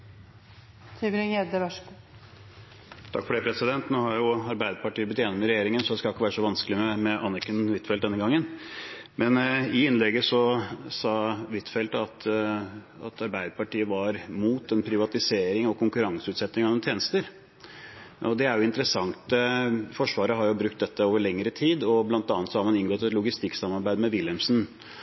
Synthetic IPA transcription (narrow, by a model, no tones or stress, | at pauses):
t̪ʰyʋɾɪŋɛd̪əʋæʂɡ | t̪ʰɑ̰kfɔɖɛːpʰɾɛsɪd̪ɛnt̪noːhɑɾjʊɑɾbæɪd̪əpɑʈiːəɾb̪ɪt̪jɛːnːəmɛɾɛjeːɾɪŋənsɔd̪ɛskɑlɪkːəʋæːɾəʂɔʋɑnskəlɪmɛmɛʔɑnɛkənʋɪt̪ːfɛl̚d̪ɛnːəɡɑŋːən | mɛnɪɪnlɛɡəsɔsɑːʋɪt̪fɛlt̪ɑt̪ | ɑ̰t̪ʰɑɾbæɪd̪əpɑʈiːəʋɑɾmuːt̪ɛnpʰɾɪʋɑt̪ɪseːɾɪŋɔkʰʊŋkʉɾɑŋsəʉːt̪sɛt̪ːnɪŋɑʋɛnt̪ʰjeːnəst̪əɾ | ɔd̪ɛæɾjʊɪnt̪əɾəsɑŋt̪əfɔʂʋɑːɾəɦɑɾjʊbɾʉkt̪̚d̪ɛt̪ːəoːʋəɾɭɛŋːəɾət̪ʰiːd̪ɔblɑnt̪ɑːnət̪sɔhɑɾmɑnɪnɡɔt̪ːɛt̪lʊɡɪst̪ɪksɑmːɑɾbæɪd̪mɛʋɪljɛmsn